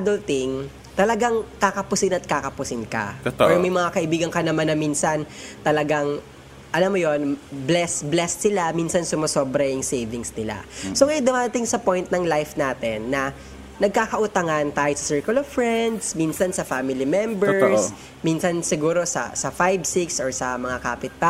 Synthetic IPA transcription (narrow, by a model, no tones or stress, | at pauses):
d̪olt̪ɪŋ | t̪ɐlɐɡaŋkakɐpʊsɪnɐt̪̚kaːkɐpʊsɪnkɐ̰t̪oɔɹmɐjmɐŋakɐʔɪbiːɡɐŋkɐnɐmanːɐminsɐnt̪ɐlɐɡaŋ | ʔɐlamojo̞nblɛsblɛssɪlaminsɐnsʊmɐsoːbɾɐjɪŋsejvɪŋsnɪla̰soŋɐjod̪ʊmaːɾɐt̪ɪŋsɐpo̞jnt̪̚nɐŋlajfnaːt̪ɛnːɐ | nɐɡ̚kaːkɐʔʊt̪ɐŋant̪aːjosɐ̥sɛɹkʊlov̥fɹɛnd̪sminsɐnsɐfaːmɪlimɛmbɛɹs | minsɐnsɪɡuːɾo̞sɐ̰sɐfajbsiksɔɹsɐmɐŋakaːpɪt̪̚pa